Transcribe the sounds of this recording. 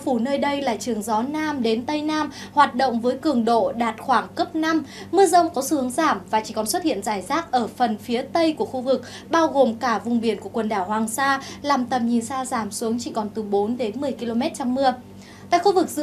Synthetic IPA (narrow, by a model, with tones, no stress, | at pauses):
fu˧˩nəː˧jɗə˧jlaː˨˩t͡ɕɨ˨˩əŋzɔ˨˦naː˧mɗe˨˦nt̪ə˧jnaː˧m | hwaː˨˩t̚ɗə̰˧˨wŋ͡mvəː˨˦jkɨ˨˩əŋɗo̰˧˨ɗaː˨˩t̚xwaː˧˩ŋkə˦˥p̚na˧mːɨ˧əzə˧wŋ͡mkɔ˨˦sɨ̰˧˩hɨ˨˦ŋzaː˧˩mvaː˨˩t͡ɕi˧˩kɔ˨˩nswə˦˥t̚hḭ˧˨ənzaː˧˩jzaː˦˥k̚ʔəː˧˩fə˨˩nfi˨˦ət̪ə˧jku˧˩əxu˧vɨ˨˩k̚ | ɓaː˧wɣo˨˩mkaː˧˩vʊ˨˩ŋ͡mɓi˧˩ənku˧˩əkwə˨˩nɗaː˧˩whwaː˨˩ŋsaː˧laː˨˩mt̪ə˨˩mɲi˨˩nsaː˧zaː˧˩msu˨˦əŋt͡ɕi˧˩kɔ˨˩nt̪ɨ˨˩ɓo˨˦nɗe˨˦nmɨ˨˩əjki˧lo˧mɛ˦˥t̚t͡ɕa˧wŋ͡mːɨ˧ə | t̪a̰ː˧˨jxu˧vɨ˨˩k̚zɨ̰˧˥